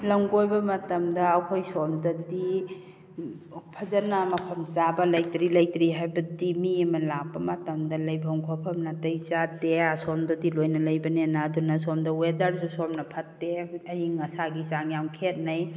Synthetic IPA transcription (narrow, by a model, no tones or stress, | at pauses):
lɐŋɡojbɐmɐtɐmdɐːwkʰojsɔmdɐdi | pʰɐzɐnɐmɐpʰɐmt͡ʃabɐlɐjtɾilɐjtɾiɦajbɐdimiɐmɐlak̚bɐmɐtɐmdɐlɐjbʱɐŋkʰɔpʰɐmnɐtɐjt͡ʃateasɔmdɐdilojnɐlɐjbɐnenadunɐsɔmdɐwedaɾsusɔmnɐpʰɐtːeɐjiŋɐsaɡisaŋjawkʰet̚nɐj